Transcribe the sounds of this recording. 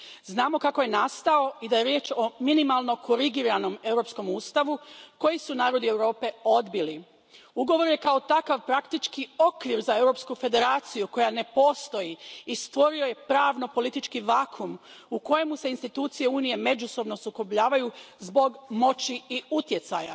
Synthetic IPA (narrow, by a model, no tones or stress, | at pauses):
znaːmo̞kako̞jenast̪ao̞id̪aje̞ɾje̞ːt͡ʃo̞minimalˠno̞ko̞ɾiɡiɾano̞me̞wɾo̞psko̞muːst̪aʋuko̞jisunaːɾo̞d̪ie̞wɾo̞ːpe̞o̞d̪bili | uɡo̞ʋo̞ɾje̞kao̞t̪akaʋpɾakt̪it͡ʃkiokʋiɾzae̞wɾo̞pskufe̞d̪e̞ɾaːt̪sijuko̞jane̞po̞st̪o̞jiːst̪ʋo̞ɾio̞je̞pɾaːʋno̞po̞lit̪it͡ʃkiʋaːkʰumuko̞je̞muse̞inst̪it̪uːt̪sije̞uːnije̞me̞d͡ʒuso̞bno̞suko̞bʎaːʋajuzbo̞ɡmo̞t͡ɕiiut̪je̞t̪saja̰